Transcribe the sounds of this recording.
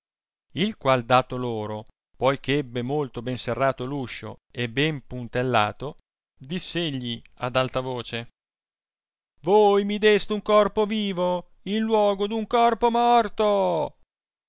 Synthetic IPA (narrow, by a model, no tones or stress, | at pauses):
ilkwald̪aːt̪oloːɾo | pɔjkeɛbːemolt̪obɛnserːaːt̪oluʃːo̰ebːɛmpunt̪elːa̰ːt̪o | d̪isːeʎːia̰d̪alt̪avoːt͡ʃe | voːjmid̪ɛst̪uŋkɔrpoviːvo | inlwɔːɡod̪uŋkɔrpomɔrt̪o